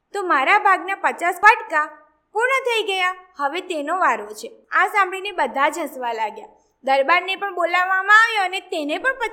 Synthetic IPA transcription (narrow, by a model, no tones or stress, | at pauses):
t̪omaɾabʱaɡnapət͡ʃaspaʈka | puɾɳət̪ʰəiɡəjahəʋet̪enoʋaɾot͡ʃʰeasãmbɭinebəd̪ʱad͡ʒɦə̃sʋalaɡja | d̪əɾbaɾnepəɳbolaʋːamãaʋjoənet̪enepəɳpə